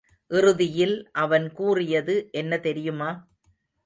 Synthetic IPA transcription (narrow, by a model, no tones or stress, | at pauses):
ʔɪrɯðɪjɪlʔɐʋɐnkuːrɪjɐðɯʔɛnːɐt̪ɛɾɪjɯmaː